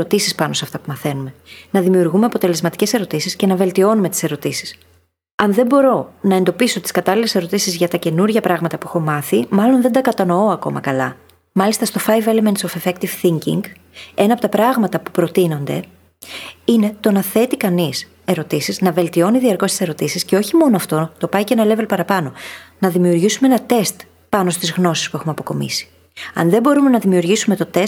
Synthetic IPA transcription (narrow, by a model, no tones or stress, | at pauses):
ot̪isispɐno̞seɐft̪ɐpumɐθe̞nume̞nɐðimiuɾɣume̞ɐpo̞t̪e̞le̞zmɐt̪i̥ce̞se̞ɾo̞t̪isisce̞nɐve̞lt̪io̞nume̞t̪i̥se̞ɾo̞t̪isi̥s | ɐnðe̞mbo̞ɾo̞nɐend̪o̞piso̞t̪i̥skɐt̪ɐlile̞se̞ɾo̞t̪isizʝɐt̪ɐce̞nuɾʝɐpɾɐɣmɐt̪ɐpuexomɐθimɐlo̞nðend̪ɐkɐt̪ɐno̞o̞ɐko̞mɐ̰kɐlɐ | mɐlist̪ɐst̪o̞fɐjvelement̪sofefekt̪iv̥θiɲcḭŋɡ | e̞nɐːpo̞t̪ɐpɾɐɣmɐt̪ɐpu̥pɾo̞t̪ino̞nd̪e̞̰ | ine̞t̪o̞nɐθe̞t̪ikɐnis | e̞ɾo̞t̪isiznɐve̞lt̪io̞niðiɐɾko̞st̪i̥se̞ɾo̞t̪isisce̞o̞çimo̞noɐft̪o̞t̪o̞pɐicenɐle̞velpɐɾɐpɐno̞nɐðimiuɾʝisumeenɐt̪e̞st̪ | pɐno̞st̪izɣno̞sispue̞xumɐpo̞ko̞mḭsi̥ | ɐ̰nðe̞bo̞ɾume̞nɐðimiuɾʝisume̞t̪o̞t̪es